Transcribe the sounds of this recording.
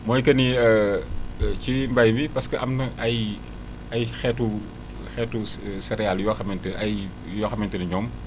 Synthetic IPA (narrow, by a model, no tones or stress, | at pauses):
mɔːjkɐniə | cimbɐjbipɐskəʔɐmnɐʔj | ɐjxɛtːu | xɛːtːusɛɾɛaljuwɐxɐmɛntəɐj | jɔxɐmɛntɐniɲɔːm